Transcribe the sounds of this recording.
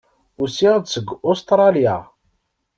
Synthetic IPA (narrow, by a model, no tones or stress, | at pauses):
ʊsid̪səɡːost̪ɾˤɑlja̰